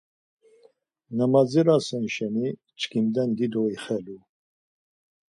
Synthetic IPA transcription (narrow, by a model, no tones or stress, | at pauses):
namad͡ziɾasɛnʃɛni | t͡ʃkʰimd̪ɛnd̪id̪ɔiχɛlu